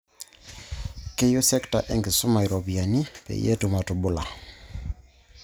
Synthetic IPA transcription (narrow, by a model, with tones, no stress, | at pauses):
ke˦jo˦sɛ˦kta̰˨ʔɛ˦ŋɡɪ˨sʊ˦ma˨i˨ɾɔ˨bi˨a˨ni˦pɛ̰˨jḛ˦tʊ˨ma˨tʊ˨bʊ˦la˨